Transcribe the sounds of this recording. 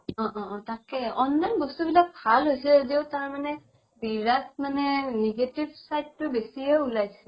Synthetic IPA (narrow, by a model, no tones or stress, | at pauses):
ɔ̃ʔɔ̃takɛɔnːajnbɔstubilak̚bʱalɦojsɛedioʊtaɹmanɛ | biɹat̚manɛneɡetibsajdːʊbesiɛulajsɛ